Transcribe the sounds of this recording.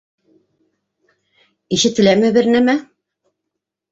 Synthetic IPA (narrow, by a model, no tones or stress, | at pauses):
iʃɘ̆t̪ːɘ̆læmɘβɘ̆ɾnæmæ